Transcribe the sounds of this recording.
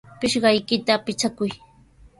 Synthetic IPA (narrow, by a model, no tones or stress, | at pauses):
pɪʃɢɑjkɪt̪apɪt͡ʃakʊj